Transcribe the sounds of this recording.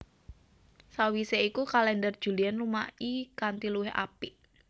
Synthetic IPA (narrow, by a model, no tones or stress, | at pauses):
sawiseikukalɛndərd̥ʒ̥ṳlianlumaikant̪iluwɪha̰piʔ